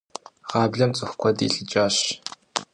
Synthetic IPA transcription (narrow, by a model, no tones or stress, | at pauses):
ʁaːbɮɐmt͡sʼɨxʷkʷʰɔdḭːɬʼɨt͡ʃʼaːɕ